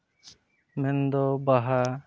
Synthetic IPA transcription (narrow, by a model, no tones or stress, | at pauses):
mɛnd̪ɔbaɦa